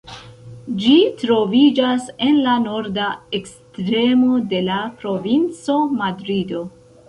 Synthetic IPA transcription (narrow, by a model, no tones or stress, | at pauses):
d͡ʒitɾo̞vid͡ʒase̞nlano̞ɾdaekstɾe̞mo̞de̞lapɾo̞vint͡so̞madɾido̞